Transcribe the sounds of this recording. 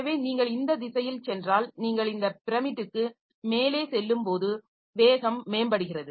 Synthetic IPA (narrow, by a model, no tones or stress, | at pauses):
ɐʋeːniːŋɡɐɭɪnd̪ɐd̪ɪsɐjɪlt͡ʃɛndraːlniːŋɡɐɭɪnd̪ɐpɪɾɐmɪʈ̪ːɯkːɯ | meːleːsɛlːɯmpoːðɯ | ʋeːɣɐmːeːnbɐɽɯɣɪrɐðɯ